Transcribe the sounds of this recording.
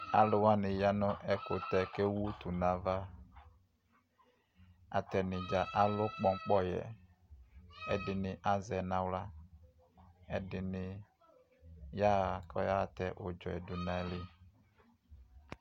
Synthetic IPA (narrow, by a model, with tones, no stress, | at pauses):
a̰˨lʊ˨wa˦nɪ˨ja˦nʊ˦ʔɛ˨kʊ˨tɛ˨ke˦wu˦tu˨nã˨va˦ | a̰˨tɛ˨nɪ˨d͡ʒa˨ʔa˦lʊ˦k͡pɔ˦ŋ˦k͡pɔ˦jɛ̰˨ | ɛ˦dɪ˨nɪ˨ʔa˨zɛ˨nã˨wla˦ | ɛ˦dɪ˨nɪ˨ | ja˦˨kɔ̰˦ja˦˨tɛ˨ʔʊ˨d͡ʒɔ̰˨ɛ̰˨dʊ˨na˦˨˦lɪ˦